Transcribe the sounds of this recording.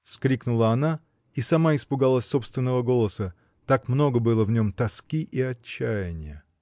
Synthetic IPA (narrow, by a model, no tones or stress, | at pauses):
fskɾʲiknʊlˠəɐna | isɐmaɪspʊɡalˠəsʲso̞pst̪vʲɪnːəvəɡo̞lˠəsə | t̪akmno̞ɡəbɨlˠəvnʲo̞mt̪ɐskʲiʔiɐt͡ɕːæjɪnʲɪjə